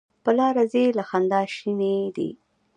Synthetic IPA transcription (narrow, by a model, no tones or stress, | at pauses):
pəlɑɾazelaxand̪ɑʃined̪ḭ